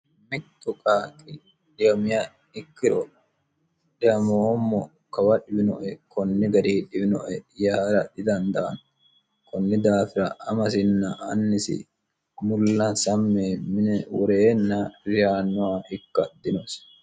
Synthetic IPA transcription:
mɪt̪ːɔkʼaːkʼɪ | ᶑɪɐmɪjɐ | ɪkːɪɾɔ | ᶑɛɐmoːmːɔ | kɐwɐᶑɪbɪnɔ̰ʔɛkɔnːɪɡɐɾiːᶑɪbɪnɔʔɛjaːɾɐᶑɪd̪ɐnd̪ɐʔɐn | kɔnːɪd̪aːfɪɾɐɐmɐs̬ɪnːɐʔɐnːɪsɪ̰ | mʊlːɐnsɐmːemɪnɛwɔɾeːnːɐɾɪjaːnːɔaɪkːɐd̪ɪnɔs

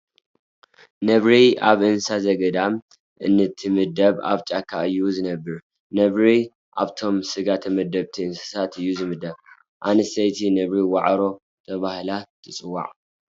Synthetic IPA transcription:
nɐβɾiaβʔɨnsazɐɡɐd̪am | ʔɨ̰nːɨt̪ʰːɨmɨd̪ɐβa̰βt͡ʃʼakʰːaɨjːuzɨnɐbːɨɾ | nɐβɾi | ʔa̰βt̪ʰo̞msɨɡat̪ʰɐmɐd̪ɐβt̪ʰiɨnsɨ̥sat̪ɨjːuzɨmɨd̪ɐβ | ʔanɨsɐjt̪ʰinɐβɾiwaʕɾo̞ | t̪ʰɐβahlat̪ʰɨt͡sʼɨwa̰ʕ

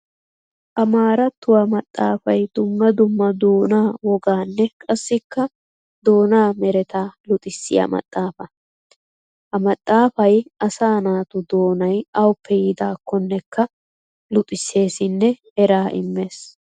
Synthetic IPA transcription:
ʔɐmaːɾɐt̪ːʊwɐmɐt̪ʼːa̰ːfɐjd̪̥ʊmːɐd̪ʊmːɐd̪oːnaːwɔɡaːnːɛkʼɐsːɪkːɐ | d̪o̞ːnaːmɛɾɛt̪aːlʊt̪ʼɪsːɪjɐ̰mɐ̰t̪ʼːaːfɐ | hɐmɐt̪ʼːaːfɐjɐsaːnaːt̪ʊd̪o̞ːnɐjɐwʊpʰːɛjɪd̪aːkːɔnːɛkːɐ | lʊt̪ʼɪsːe̞ːsɪnːɛhɛɾaːʔɪ̰mːe̞ːs

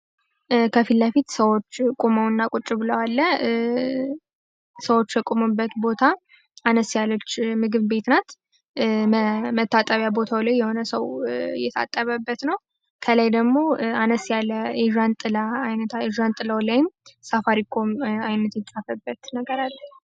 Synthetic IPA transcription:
kʰəfilːəfit̪səwo̞t͡ʃːkʼuməwɨnːakʼut͡ʃʼːɪbɨləwalːə | səwo̞t͡ʃːjɛkʼumɨbːət̪bo̞t̪ʰa | anəsjalət͡ʃːmɨɡɨβbe̞t̪nat̪ | mət̪ʰːat̪ʼəβjabo̞t̪ʰawlajːɛho̞nəsəwjɛt̪ʰa̰t̪ʼːəβəbːət̪nəw | kʰəlajd̪əɡmo̞anəsjalːəɛʒant̪ʼɨlaajnət̪ʰaɛʒant̪ʼɨləwlajɪmsafaɾikʰomajnət̪jɛt͡sʼafəbːət̪nəɡəɾalːə

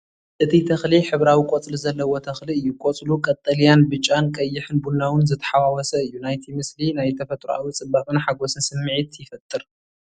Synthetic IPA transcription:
ʔɨt̪ʰit̪ʰɐxliħɨβɾawikʷʼot͡sʼluzɐlːɐwot̪ʰɐxliɨjːukʼot͡sʼlukʼɐt̪ʼːɐljanbɨt͡ʃʼːankʼɐjːɪħɨnbunːawɨnzɨt̪ʰɐ̥ħawawɔsɐɨjːunajt̪ʰimɨslinajt̪ʰɐfɐt̪ʼɾuʔa̰wit͡sʼɨbːakʼɨnħaɡo̞sɨnsɨmːɨʕit̪jɪfɐt̪ʼːɨɾ

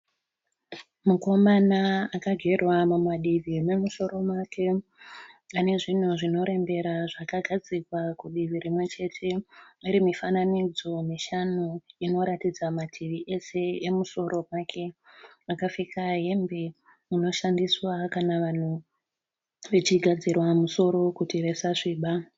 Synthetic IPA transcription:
muko̞manaakaɡʱe̞rwamumaɗiʋimwe̞muso̞ɾo̞mwake̞ | ane̞ʐin̤uʐino̞ɾe̞mbe̞ɾaʐakaɡʱad͡zikwakuɗiʋiɾimwe̞t͡ʃe̞tʰe̞iɾimifananid͡zomiʃanuino̞ɾatid͡zamatʰiʋiʔe̞se̞emuso̞ɾʔo̞mwaːkʰe̞akafikʰaɦe̞mbe̞ | uno̞ʃandiswakanaʋan̤u | ʋet͡ʃiɡʱad͡zirwamuso̞ɾo̞kutiʋesaʐiːɓa

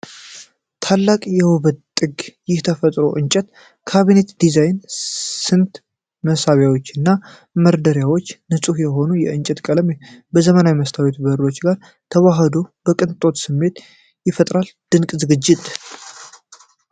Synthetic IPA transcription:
t̪ʰalːakʼjɛwʊβət̪ʼːɨɡjɪht̪ʰəfət̪ʼɾo̞ʔɨɲt͡ʃʼət̪ | kʰaβine̞t̪d̪izajnsɨnt̪ | məsaβjawo̞t͡ʃːɨnːa | məɾd̪əɾjawo̞t͡ʃːnɨsʼuhjɛɦo̞nujɛɨnt͡ʃʼɛt̪kʼələmbəzəmənawiməst̪ʰawet̪bəɾo̞t͡ʃːɡaɾ | t̪ʰəwaɦəd̪o̞bəkʼɨnt̪ʼo̞t̪sɨmːe̞t̪ | jɪfət̪ʼɾald̪̥ɨŋkʼzɨɡɨd͡ʒːɪt̪ʼ

